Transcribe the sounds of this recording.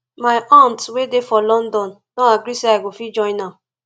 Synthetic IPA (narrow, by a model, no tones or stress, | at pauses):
maɪʔantwedefɔlɔ̃ndɔn | dɔ̃aɡɾiseaɪɡofid͡ʒɔ̃ɪ̃na